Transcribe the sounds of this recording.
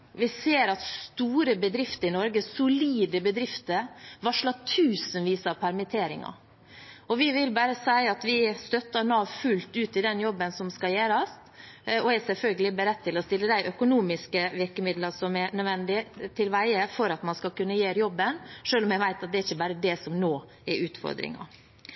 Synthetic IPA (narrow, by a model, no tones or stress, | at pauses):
ʋɪseːɾɑt̪st̪uːɾəbəd̪ɾɪft̪əɾɪnɔɾɡəsʊliːd̪əbəd̪ɾɪft̪əɾʋɑʂɭɑt̪ʰʉːsənʋiːsɑʋpʰæɾmət̪ʰeːɾɪ̰ŋɑ̰ | ɔʋɪʋɪlbæːɾəsæɪɑt̪ʋɪst̪œt̪ːənɑːʋfʉlt̪ʉːt̪ɪd̪ɛnjɔbːənsɔmskɑjeːɾɑst̪ɔɛsɛlfœlɡəlɪbəɾɛt̪̚ʰːɪlɔst̪ɪlːəd̪æɪʔœkʊnuːmɪskəʋɪɾkəmɪd̪lɑsɔmɛnœd̪ʋɛnd̪ɪt̪ʰɪlʋæɪəfɔɾɑt̪mɑnskɑlkʉnːəjeːɾjɔbːənʂøːlɔmjæɪʋæɪt̪ɑt̪̚d̪ɛæɾɪçːəbæːɾəd̪ɛsɔmnoː | ɛɾʔʉːt̪fɔ̰ɾd̪ɾɪ̰ŋɑ̰